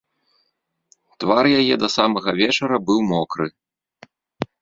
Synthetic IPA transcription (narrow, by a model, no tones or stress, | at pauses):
t̪varjajɛd̪ɐsamɐɣɐvʲɛt͡ʂɐɾɐbɨwmɔkɾɨ